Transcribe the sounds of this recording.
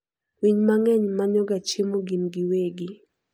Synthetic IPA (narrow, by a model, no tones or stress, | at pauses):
wiɲmaŋɛɲmaɲɔɡat͡ʃemoɡimɡiweɡi